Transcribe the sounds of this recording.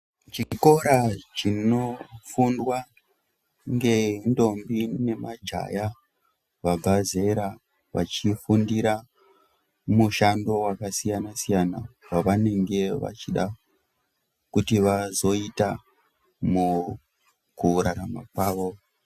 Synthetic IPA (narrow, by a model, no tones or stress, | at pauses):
t͡ʃiko̞ɾat͡ʃino̞fundwa | ŋɡe̞ndo̞mbine̞mad͡ʒa̰ja | ʋabʱaze̞ɾa | ʋa̰t͡ʃifundiɾa | muʃando̞wakasijanasijana̰waʋane̞ŋɡe̞ʋa̰t͡ʃiɗa | kutiʋazo̞ita | mu | kuɾaɾama̰kwaːʋo̞